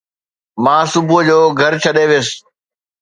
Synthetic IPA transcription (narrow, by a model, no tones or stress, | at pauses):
mãːsʊbʱʊd͡ʑoːɡʱɐɾt͡ɕʰɐɗeʋeːs